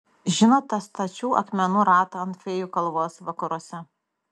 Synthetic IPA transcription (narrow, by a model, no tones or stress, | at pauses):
ʒʲɪnoːt̪ːɐst̪ɐt͡ʃʲuːʔɐ̰kmʲɛnuɾɑːt̪ɐɐnt̪fʲeːjuːkɐlˠʋoːsʋɐkɐɾuɔsʲɛ